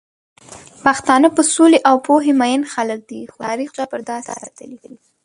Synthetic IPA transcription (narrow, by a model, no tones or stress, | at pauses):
paxt̪ɑnəpəsuleʔawpoɦemajənxalək̚d̪ixoɑɾixd͡ʒapəɾd̪ɑsɑ̰ɾa̰t̪alidwi